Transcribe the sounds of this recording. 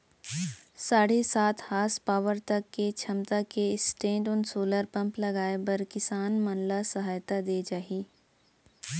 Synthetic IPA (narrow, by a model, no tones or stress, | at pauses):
saːɽesaːt̪ʰhaːspaːʋəɾt̪ɐkːet͡ʃʰɐmt̪akeɪsʈẽːɳɖʊnsoːləɾpɐ̃mplɐɡaːebɐɾkɪsaːnmɐnlasɐɦaːjt̪ad̪eːd͡ʒaːɦiː